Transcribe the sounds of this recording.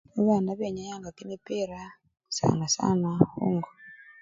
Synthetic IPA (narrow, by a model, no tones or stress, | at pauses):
uβandaβeɲajaŋɡakimipeɾa | sa̰nasa̰nahṵŋɡo